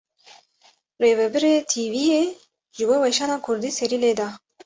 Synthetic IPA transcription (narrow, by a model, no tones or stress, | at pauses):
reːvɛbɛɾeːt̪ʰiːvijeː | ʒɨboːwɛʃaːnaːkʰʊɾd̪iːsɛɾiːleːd̪ɑː